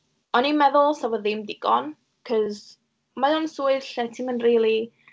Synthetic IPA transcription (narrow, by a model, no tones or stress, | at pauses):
ɔnimɛðʊlˠsavɔððɪmdɪɡ̥ɔn | kʰɔz | majɔnsuːɨɬɛtʰɪmənriːlˠi